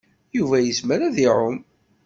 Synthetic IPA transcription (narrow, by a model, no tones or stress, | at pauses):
juvæjəsməɾæðiʕʊm